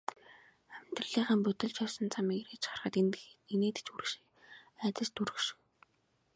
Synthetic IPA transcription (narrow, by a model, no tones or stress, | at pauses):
æmʲt̪rə̆ɮiːχə̆mpɵt̪ɪ̆ɮt͡ɕjɔwsɞ̆nt͡sʰamiːkret͡ɕχarχə̆t̪eneːt̪ɘ̥̆t͡ɕuɾ̆kʃ | æːt̪ə̆st̪ʰuɾɵ̆kʃɪ̥̆